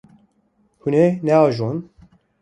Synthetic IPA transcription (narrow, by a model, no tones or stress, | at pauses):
hunenɛɑʒon